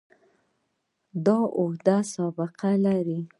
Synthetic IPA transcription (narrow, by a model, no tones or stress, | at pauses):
d̪ɑʔohd̪asɑbɪqalaɾi